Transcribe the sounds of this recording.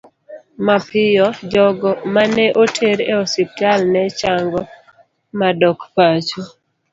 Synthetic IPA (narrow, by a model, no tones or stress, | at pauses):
mapɪjɔd͡ʒɔɡɔmanɛʔotʰeɾeɔsiptalnɛt͡ʃaŋɡɔ | madɔkpat͡ʃo